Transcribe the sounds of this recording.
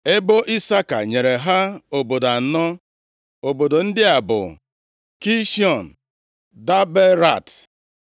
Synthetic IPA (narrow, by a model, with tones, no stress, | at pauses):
ɪ˦bo˦ʔi˦sa˦ka̰˨ɲe˨ɾe˨ɦa˦o˨bo˨da˨nɔ˦ | o˨bo˨do˨n̩˦dɪ˦a˨bʊ̰˨ | ki˦ʃi˦ɔ˨n̩˨ | da˦be˦ɾa˦˨t